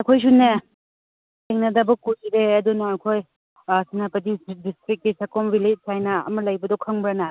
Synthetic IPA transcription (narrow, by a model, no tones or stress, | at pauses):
ɐkʰojs̬une | teŋnɐdɐbɐkusideɐdunaakʰoj | sinapɐdidistɾit̚kisakɔmbilet̚sajnɐɐ̰mɐlɐjbɐdɔkʰɐŋbɾana